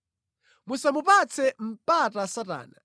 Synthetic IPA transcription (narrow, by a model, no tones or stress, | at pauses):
musamupat͡sʰɛm̩patasata̰ːna